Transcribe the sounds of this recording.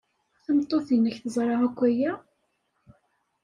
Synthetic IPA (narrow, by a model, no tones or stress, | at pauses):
θæmt̪ˤːoθinæçθəzˤɾˤɑʁækʷːæjæ